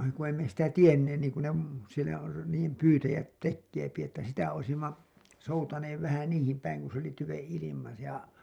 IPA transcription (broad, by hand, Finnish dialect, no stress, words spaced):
ku ei me sitæ tienːeːn niːŋku ne m sielæ r niːjem pyːtæjæt tekːeːpi etːæ sitæ oisimːɑ soutɑneːʋ ʋæhæ niːhim pæiŋ ku s oli tyʋẽː ilimɑ jɑ